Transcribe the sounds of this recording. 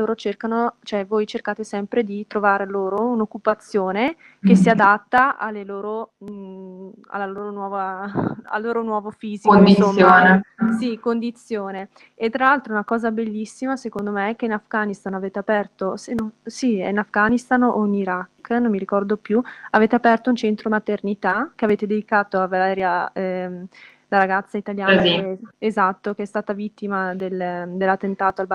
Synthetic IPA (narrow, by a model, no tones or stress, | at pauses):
oːɾot͡ʃerkanot͡ʃoɛvojt͡ʃerkaːt̪esɛmpɾed̪it̪ɾovaːɾeloːɾounokːupat̪sːjoːne | kesːiad̪at̪ːaa̰lːeloːɾo | a̰lːaloːɾonwɔːvaa̰lːoːɾonwɔːvofiːziond̪iooːnsikond̪it̪sːjoːne | et̪ːɾalːalt̪ɾoɛunakɔːzabelːisːimasekond̪omeɛk̟ːeinafɡaːnist̪anaveːt̪eapɛrt̪osenosiɛ̰inafɡanist̪ano̰iniɾakːnommiɾikɔrd̪opjuaveːt̪eapɛrt̪ount͡ʃent̪ɾomat̪ernit̪akeaveːt̪ed̪ed̪ikaːt̪oavalɛːɾjaɛ | laɾaɡat̪sːait̪aljaːiezat̪ːokeɛst̪aːt̪avit̪ːimad̪eld̪elːat̪ːent̪aːt̪oalb